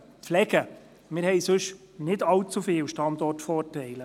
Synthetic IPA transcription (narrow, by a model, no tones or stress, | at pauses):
pflɛɡə | mɪɾhɛjsɵʃ | nɪdɑwt͡sufɪːwʃtɑndɔrtfɔːrtɛɪlə